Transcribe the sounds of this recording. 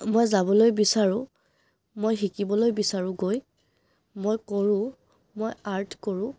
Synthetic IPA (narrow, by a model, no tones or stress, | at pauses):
mojzabɔlojbisaɹʊ̃ | mojxikibɔlojbisaɹʊ̃ɡoj | mojkoɹʊ̃ | mojaɹtʰkoɹʊ̃